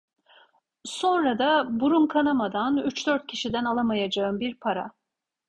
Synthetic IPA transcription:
so̞nɾad̪abuɾunkʰanamad̪anyt͡ʃd̪øɾt̪̚cʰiʃid̪ænalˠamajad͡ʒaɯmbiɾpʰaɾa̰

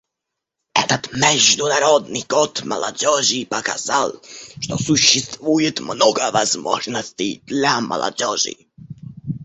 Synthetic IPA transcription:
ɛ̰t̪at̪mɛʒd̪unaɾɔd̪niɡɔt̪ma̰la̰d͡ʑɔʑipaka̰z̥alʂt̪ɔsuɕɛst̪vujɛt̪mnɔɡavazmɔ̰ʐnɔsʲtid̪lʲama̰la̰d͡ʑɔʐḭ

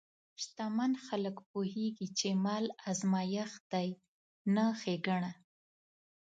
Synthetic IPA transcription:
ʃt̪amanxaləkpuheɡit͡ʃemalazmɑjaxd̪aj | naxeɡaɳa

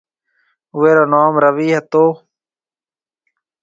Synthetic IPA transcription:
ʊeːɾoːnaːmɾəʋiːɦət̪oː

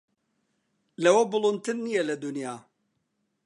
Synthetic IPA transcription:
lɐwɐbʊlˠunt̪ɨnːijɛlɐd̪unjaː

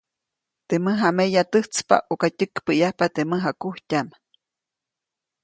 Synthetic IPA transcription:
t̪eməɦamejat̪əht͡spa̰ʔokatəkpəjahpat̪eməɦakuhcam

